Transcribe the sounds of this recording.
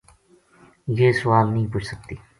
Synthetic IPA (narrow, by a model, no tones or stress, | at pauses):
jeːsʊʋaːlnɐɦĩpʊt͡ʃʰsək̚t̪iː